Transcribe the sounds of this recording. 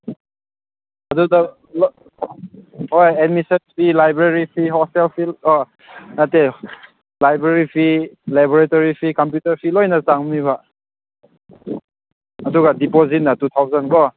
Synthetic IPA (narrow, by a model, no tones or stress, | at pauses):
ɐduda | l | hojed̚misenpʰilajbɾeɾipʰiɦɔselpʰilɔ | nate | lajbɾeɾipʰilabɔɾetoɾipʰikamp̬jutɐɾpʰilojnasaŋmiβa | duɡadipozit̚natut̪ʰawzankɔ